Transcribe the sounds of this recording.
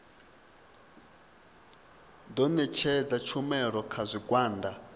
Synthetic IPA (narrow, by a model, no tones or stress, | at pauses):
d̪ɔnɛt͡ʃʰɛd͡zat͡ʃʰumɛɺɔkʰazʷikʼwaːnda